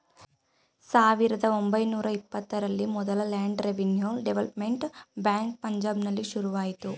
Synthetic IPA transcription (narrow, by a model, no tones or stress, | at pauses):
saːʋiɾɐd̪ɐo̞mbɐjnuːɾɐipːɐt̪ːɐɾɐlːimɔd̪ɐlɐlaːɳɖɾeʋinjoːlɖeʋɐlɐpme̞ɳʈbjaːŋk̚pɐɲd͡ʒaːbnɐlːiʃuɾuʋaːjit̪u